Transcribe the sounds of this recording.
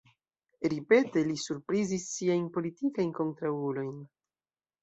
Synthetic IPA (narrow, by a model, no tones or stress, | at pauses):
ɾipe̞te̞lisuɾpɾizisːiajnpo̞litikajnko̞nt̪ɾaulo̞jn